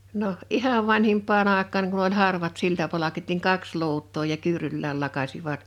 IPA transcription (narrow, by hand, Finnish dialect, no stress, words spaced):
noh ihɑʋ ʋɑnhimpˑɑːn ɑˑekˑɑːŋ kun olʲ hɑrʋɑt siltɑpɑlɑkit niŋ kɑks luːtˑoː jɑ kyːrylːæːl lɑkɑsiʋɑt